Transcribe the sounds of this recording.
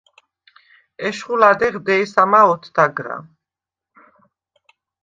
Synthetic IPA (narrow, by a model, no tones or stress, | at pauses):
ɛʃχulad̪ɛʁd̪ɛisamaɔt̪ʰd̪aɡɾa̰